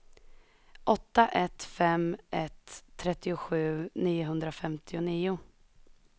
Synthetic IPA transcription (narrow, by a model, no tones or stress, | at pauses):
ʔɔt̪ːaʔɛt̪fɛmʔɛt̪ʰːɾɛt̪ːɪʊɧʉ̟ːniːʊɦɵnd̪ɾafɛmt̪ʰɪʊniːʊ